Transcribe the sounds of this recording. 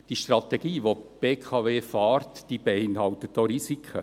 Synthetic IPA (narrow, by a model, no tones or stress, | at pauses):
d̥iʃtrɑt̪ɛɡiːʋob̥eːkʰɑveːfɑːɾtd̥iːb̥eɪnhɑlt̪ət̚doːɾisikʰə